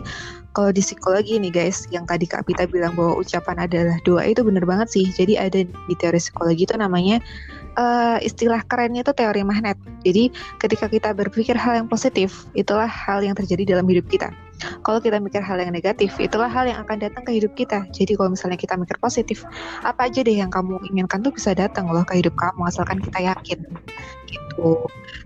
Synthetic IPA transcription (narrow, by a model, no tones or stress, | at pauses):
kalawdisikoloɡinɪɡajsjaŋt̪adika̰pit̪abilaŋbawaʔṵt͡ʃapanadalahdua̰ʔit̪ubənərbaŋət̪sɪhd͡ʒadiʔadadit̪eoɾisi̥koloɡit̪unamaɲa | ʔəḭst̪ilahkəɾɛnɲat̪ut̪eoɾimaɦnɛt̪̚d͡ʒadikət̪ikakit̪abərfikɪrɦaljaŋposit̪ɪf | it̪ulahːaljaŋt̪ərd͡ʒadidalamhidʊp̚kit̪a̰ | kalawkit̪amikɪrɦaljaŋneɡat̪ɪfḭt̪ulaɦaljaŋakandat̪əŋkəhidʊp̚kit̪ad͡ʒadikalomisalɲakit̪amikɪrposit̪ɪfʔapaːd͡ʒadahjaŋkamuiŋɪnkant̪ubisadat̪əŋlɔhkəhidʊp̚kamuasalkankit̪ajakɪnɡ̥it̪u